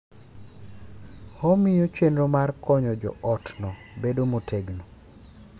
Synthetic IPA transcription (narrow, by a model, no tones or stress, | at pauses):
hɔmɪjot͡ʃenɾomarkɔɲɔd͡ʒɔ̰ɔtnɔ | bedomotʰeɡnɔ